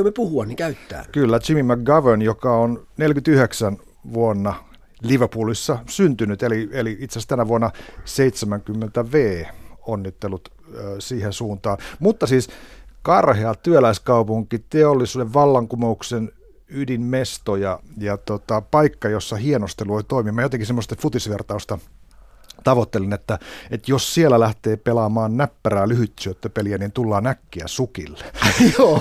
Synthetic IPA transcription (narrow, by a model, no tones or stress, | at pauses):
omepuhuɑnnikæyt̪ːæ̰ːkylːæt͡ʃimimæk̚ɡɑʋønjokɑonnelkyt̪yheksæn | ʋuonːɑ | liʋəpuːlisːɑsynt̪ynyt̪elieliit̪sest̪ænæʋuonːɑseit̪semæŋkymːent̪æʋeːonːit̪ːelːut̪ | øːsiːhensuːnt̪ɑːnmut̪ːɑsiːskɑrheɑt̪yølæiskɑupuŋkit̪eolːisuːdeʋʋɑlːɑŋkumouksen | ydimmest̪ojɑjɑt̪ot̪ɑpɑikːɑjosːɑhienost̪eloit̪oimimæjot̪eŋkisemːost̪ɑfut̪isʋert̪ɑust̪ɑ | t̪ɑʋot̪ːelinet̪ːæet̪jossielælæht̪eːpelɑmɑːnnæpːæræːlyhyt̪syøt̪ːøpeliæniːnt̪ulːɑːnækːiæ̰sukilːejoː